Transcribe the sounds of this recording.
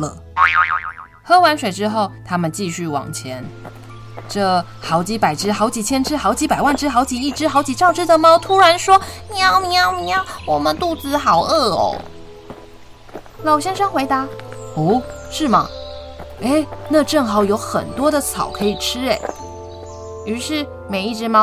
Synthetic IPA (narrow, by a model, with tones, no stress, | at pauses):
lə̰˩ | xɤ˥wa˧˥nʂwe˨˩ɪʈ͡ʂɻ̩˥xo˥˩ʊt̪ʰa˥mə˨nt͡ɕi˥˧ɕy˥˩wɑ̰˨˩ŋt͡ɕʰjɛ˧˥n | ʈ͡ʂɤ˥˧ | xɑ˧˥ʊt͡ɕi˧˥pa˨˩ɪʈ͡ʂɻ̩˥xɑ˧˥ʊt͡ɕi˨˩t͡ɕʰjɛ˥nʈ͡ʂʰɻ̩˥xɑ˧˥ʊt͡ɕi˧˥pa˨˩ɪwa˥˩nʈ͡ʂɻ̩˥xɑ˧˥ʊt͡ɕi˨˩i˥˩ʈ͡ʂɻ̩˥xɑ˧˥ʊt͡ɕi˨˩ʈ͡ʂɑ˥˩˧ʊʈ͡ʂɻ̩˥d̪ə˨m˧ʊt̪ʰu˥ɻa˧˥nʂwɔ˥ni˨˩ɑ˥˩ʊmi˧˥ɑ˥˩ʊmi˧a˥˧wɔ˨˩mə˦nt̪u˥˩t͡sɹ̩˧xɑ˨˩ʊə˥˩o̰˧˩ | lɑ˨˩ʊɕjɛ˥nʂɤ˥ŋxwe˧˥ɪt̪a˧˥u˧˥˩ʂɻ̩˥˩mɐ̰˩ | e˥˩ɪna˥˧ʈ͡ʂɤ˥˩ŋxɑ˧˩ʊjo˧˥ʊxə̰˨˩nt̪wɔ˥d̪ə˨t͡sʰɑ̰˨˩˦ʊkʰɤ˧˥i˨˩ʈ͡ʂʰɻ̩˥e˨˩ɪ | y˧˥ʂɻ̩˥˩ | me˨˩ɪi˥˧ʈ͡ʂɻ̩˥mɑ˥